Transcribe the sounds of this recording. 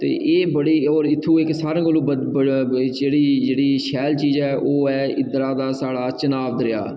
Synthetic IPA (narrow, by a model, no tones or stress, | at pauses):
t̪ḛːʔeːbəɽiːɔːɾɪt̪ʰːũːɪksaːɾẽːkəlũːbə | d͡ʒeːɽiːd͡ʒeːɽiːʃɛːlt͡ʃiːd͡ʒɛːʔoːɛːɪd̪ɾaːd̪aːsaːɽaːt͡ʃənaːbd̪ɾɪja̰ː